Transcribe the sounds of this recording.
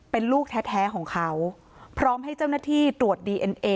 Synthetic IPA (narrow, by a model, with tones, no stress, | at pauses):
pe˧nluː˥˩k̚t̪ʰɛ˦˥t̪̚ʰɛː˦˥kʰɔː˩˦ŋkʰa˦˥w | pʰɾɔː˦˥mɦa˥˩jt͡ɕa˥˩wnaː˥˩t̪ʰiː˥˩t̪ɾu˨˩ət̪̚diː˧ʔe˧nʔeː˧